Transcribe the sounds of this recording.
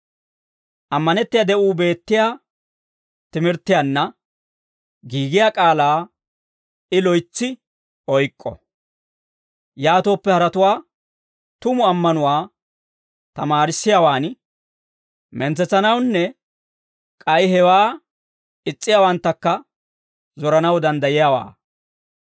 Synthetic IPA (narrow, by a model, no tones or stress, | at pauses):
ʔɐmːɐnɛt̪ːɪjad̪ɛʔuːbe̞ːt̪ːɪjaː | t̪ɪmɪɾt̪ːɪjanːɐ | ɡiːɡɪjaːkʼaːlaː | ɪlɔjt͡sːɪ | ɔjkʼːɔ̰ | jaːt̪o̞ːpːɛhɐɾɐt̪ʊwaː | t̪ʊmʊɐmːɐnʊwaː | t̪ɐmaːɾɪsːɪjaːwaːn | mɛnt͡sɛt͡sːɐnɐwnːɛ | kʼɐjhɛwaː | ɪt͡sʼːɪjaːwɐnt̪ːɐkːɐ | zɔɾɐnɐwd̪ɐnd̪ɐjɪjawa̰ː